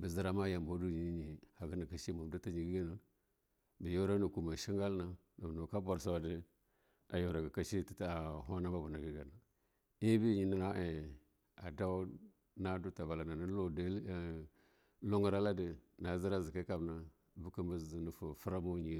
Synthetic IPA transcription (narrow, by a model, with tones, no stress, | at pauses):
bə˨zi˦ɾa˦ma˦ja˨mbo˦du˦ɲi˨i˦ɲi˨ha˨ɡə˦na˨ka˨ʃi˦ma˨m˨du˦ta˦ɲi˨ɡi˦ɡi˦na˨ | bi˨jo˦ɾa˦nu˨ku˨ma˨ʃi˦ŋɡa˦lna˨ | na˨no˨ka˦ba˨ɾsa˦˨wa˨di˦ | a˨jo˨ɾa˨ɡa˨ka˦ʃi˦ti̥˨ta˨ɦa˦na˦ba˦bu˨na˨ɡi˨ɡa˨na˨ | i˦bi˦˨ɲi˨ni˦na˦ʔe˨ | a˨da˦w | na˦du˦ta˨ba˨la˨na˨ni˦o˦d | lo˦ŋə˦ɾa˦la˦di˨na˨zi˦ɾa˦zi˨ki˦ka˨bna˨˦ | bu˦ki˦mbə˦˨nə˨fu˨fu˦ɾa˦mo˦ɲi˨